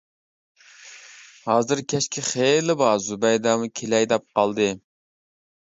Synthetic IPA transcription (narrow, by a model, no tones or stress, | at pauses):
hɑːzɨɾkʲʰɛʃkʲʰɪχelɪbɑzubɛjd̪ɑmukʲʰelɛjd̪ɛp̚qɑlˠd̪ɨ